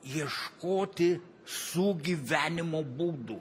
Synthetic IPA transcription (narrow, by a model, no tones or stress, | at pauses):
jɛʃkoːt̪ʲɪ | suɡʲiːʋʲæːnʲɪmoːbuːd̪u